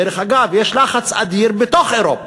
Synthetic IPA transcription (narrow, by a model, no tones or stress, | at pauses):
eɾeχaɡavjɛʃlaχat͡sa̰d̪iɾbet̪oχeɾop